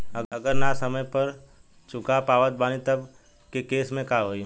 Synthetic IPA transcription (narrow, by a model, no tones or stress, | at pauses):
ɐɐɡəɾnasɐməjpɐɾ | t͡ʃʊkapaːʋət̪̚baːnit̪ɐb | kekeːsmẽkaːɦoːi